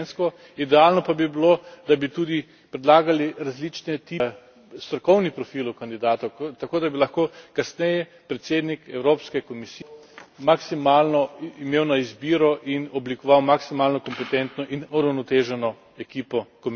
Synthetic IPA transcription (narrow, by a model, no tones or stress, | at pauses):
nskɔ | id̪ɛalnɔpabibilod̪abit̪uːd̪i | pɾɛd̪laːɡaliɾazlit͡ʃnɛt̪i | st̪ɾɔkɔwnipɾɔfiːlʊkand̪id̪aːt̪ɐt̪ɐkoːd̪abilaxkoːkasnɛjɛ | pɾɛt̪seːd̪nikɛwɾoːpskɛkɔmisimaksimaːlnɔimeːwnaizbiːɾɔʔinɔblikɔʋawmaksimaːlnɔkɔmpɛt̪ɛnt̪nɔʔinuɾawnɔt̪eːʒɛnɔ | ɛkiːpɔkɔm